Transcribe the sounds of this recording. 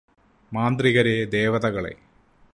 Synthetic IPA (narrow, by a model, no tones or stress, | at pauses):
maːnd̪riɣɐɾed̪e̞ːʋɐðɐɣɐɭḛ